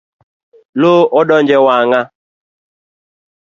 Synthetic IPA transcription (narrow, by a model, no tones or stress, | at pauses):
loːɔdɔnd͡ʒɛwaːŋa